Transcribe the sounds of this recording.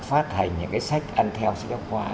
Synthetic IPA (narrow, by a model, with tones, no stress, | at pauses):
faː˦˥t̚ha˨˩jŋ̟ɲɨ̰˧˥ŋkaː˨˦sa˦˥jk̚ʔa˧nt̪ʰɛ˧wskwaː˧